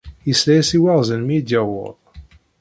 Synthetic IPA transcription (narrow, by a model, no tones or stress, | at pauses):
jəslæjsiwæʁzənmid̪jæwə̰ðˤ